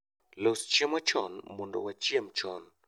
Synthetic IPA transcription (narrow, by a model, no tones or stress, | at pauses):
lost͡ʃemat͡ʃɔ̰nmɔndɔ̰wat͡ʃjemt͡ʃɔn